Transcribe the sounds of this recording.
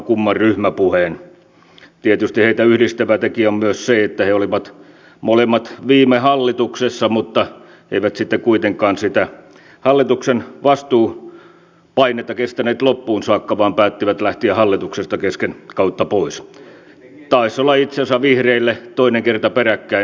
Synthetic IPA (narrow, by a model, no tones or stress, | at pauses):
kumːɑrryhmæpuheːn | t̪iet̪yst̪iheit̪æyhdist̪æʋæt̪ekiommyøsseet̪ːæheoliʋɑt̪ | molemːɑt̪ʋiːmehɑlːit̪uksesːɑmut̪ːɑ | eiʋæt̪sit̪ːekuit̪eŋkˑɑːnsit̪æ | hɑlːit̪uksenʋɑst̪uː | pɑinet̪ːɑkest̪æneːt̪lopːuːnsɑːkːɑʋɑːmpæːt̪ːiʋæt̪læht̪iæhɑlːit̪uksest̪ɑkeskenkɑut̪ːɑpois | t̪ɑisːolːɑit̪sensɑʋihreilːet̪oineŋkert̪ɑperækːæi